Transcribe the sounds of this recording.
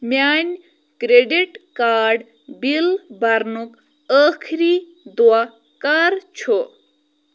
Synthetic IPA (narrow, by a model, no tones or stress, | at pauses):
maːnʲ | kɾeɖiʈkaːɾɖ | bilbʱɐɾnuk | əːkʰɾi | d̪ua | kɐɾt͡ʃʰo